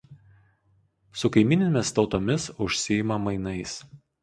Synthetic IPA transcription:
sʊkɐɪmʲɪnʲemʲɪst̪ɒʊt̪oːmʲɪsʊʃʲsʲɪjɪmɐmɐɪnɐɪs

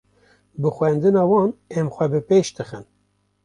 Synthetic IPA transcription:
bɨxwɛnd̪ɨnɑːwɑːnɛmxʷɛbɨpeːʃt̪ɨxɨn

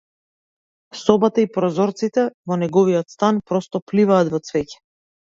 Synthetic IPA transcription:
sɔbat̪aipɾɔzɔɾt̪sit̪ɛvɔnɛɡɔviɔt̪st̪anpɾɔst̪ɔplivaːt̪vɔt̪svɛcɛ̥

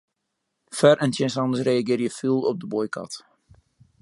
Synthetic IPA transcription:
fɛrʔɛntjɛnsɑndəsreːaɡɪːrjəfilˠɔp̚dəbojkɑ̰t

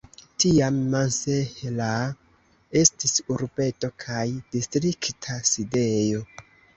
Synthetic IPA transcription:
tiamːansehela | e̞stisuɾbe̞to̞kʰajdistɾiktʰaside̞jo̞

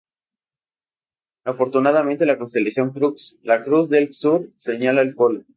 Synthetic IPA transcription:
afo̞ɾt̪unað̞amẽnt̪̬e̞lako̞nst̪elasjo̞ŋkɾukslakɾuzðelsuɾse̞ɲalaelpolo

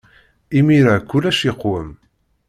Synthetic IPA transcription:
imiɾakʷːʊlæʃiqwəm

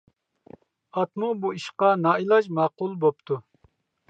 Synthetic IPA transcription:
ɑt̪mubuiʃqɑnɑːilˠɑʒmɑːqulˠbop̚t̪ʰu

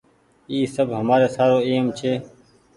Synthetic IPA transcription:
iːsəbʱɦəmaːɾeːsaːɾoːeːmt͡ʃʰeː

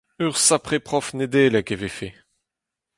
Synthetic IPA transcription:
øʁsapχepχɔfned̪eːlɛkevefe

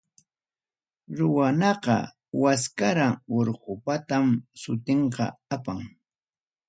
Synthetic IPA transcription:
ɾʊwanɑqɑ̰ | waskaɾaŋoɾɢʊpat̪amsʊt̪eɴqɑ̰apaŋ

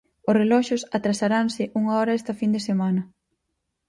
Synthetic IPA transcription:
ʊsrelɔʃosat̪ɾasaɾansɪʔuŋaɔɾɐɛst̪ɐfind̪esemanɐ

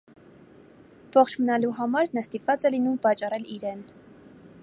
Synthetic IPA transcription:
vɔχt͡ʃʰmənɑluɦɑmɑɾnɑst̪ipvɑt͡sɛlinumvɑt͡ʃɑrɛliɾɛn

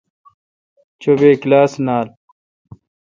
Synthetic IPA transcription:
t͡ɕobeːklaːsnaːl

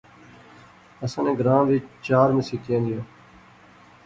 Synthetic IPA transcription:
əsãːnẽːɡɾãːʋiːt͡ʃaːɾmẽːsiːkẽːnd̪ijõː

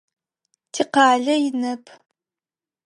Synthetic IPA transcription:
tʰiqɑːɮɐjɪnɐpʰ

